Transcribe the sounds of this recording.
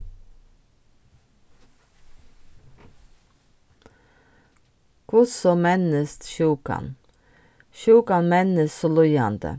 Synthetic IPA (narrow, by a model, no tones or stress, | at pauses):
kʰʊsɔmɛnəst̪ʃuːkɑ̰n | ʃuːkɑnmɛnəssolʉjɑnd̪ə̰